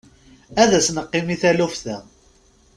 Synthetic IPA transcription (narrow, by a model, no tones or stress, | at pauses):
æðæsnəqːimiθælufθæ